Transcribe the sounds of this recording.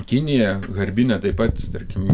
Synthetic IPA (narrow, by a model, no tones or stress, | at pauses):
kʲɪnʲɪjɛɣɐɾʲbʲɪnʲɛt̪ɐɪpɐt̪t̪ɐɾʲkʲɪm